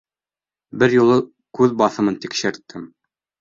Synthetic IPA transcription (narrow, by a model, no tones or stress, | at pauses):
bɘɾjulˠɤ | kʉðbɑθɤ̆mɤnt̪ikʃɘ̆ɾt̪ːɘm